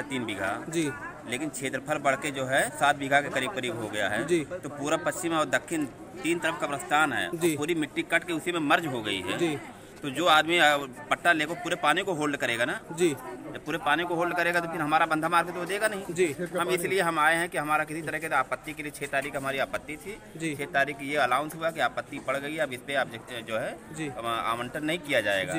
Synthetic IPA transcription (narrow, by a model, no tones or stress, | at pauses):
ɛt̪iːnbɪɡʱa̰d͡ʒi | leːkɪnt͡ʃʰeːt̪ɾəpʰəɾbɐɽked͡ʒoːɦɛsaːt̪̚ʰbɪɡʱakekɐɾiːb̚kəɾiːbɦoɡɐja̰ɦɛ̰ːd͡ʒit̪opuːɾapɐst͡ʃɪmɔːɾd̪ɐkʰːɪn | t̪iːnt̪əɾəfkapɾɐst̪ʰaːnɦɛ̰ːpd͡ʒipuːɾimɪʈːikɐʈkeʊsimẽmɐɾd͡ʒɦoɡɐḭɦɛ̰ːd͡ʒi | t̪od͡ʒoːaːd̪miɐpɐʈːaleːkopuːɾepaːnikoɦoːlɖkɐɾeːɡanad͡ʒid͡ʒɐbpuːɾepaːnikoɦoːlɖkɐɾeːɡat̪̬opʰɪɾɦɐmaːɾabɐ̃nd̪ʱamaːɾket̪ʋod̪eːɡanɐɦĩd͡ʒiɦɐmɪslieɦɐmaːeɦɛ̃kiɦɐmaːɾakɪsit̪ɐɾəɦket̪aːpət̪ːikeliet͡ʃʰeːt̪aːɾiːkɦɐmaːɾiaːpət̪ːit̪ʰi | t͡ʃieːt̪aːɾiːkjeɐlaːʊ̃nsɦuakiaːpət̪ːibɐɽɡɐiɦɛɐbɪspepd͡ʒoːɦɛd͡ʒia̰ːmə̃ɳʈəɾnɐɦĩkijad͡ʒa̰ːḛːɡa̰ː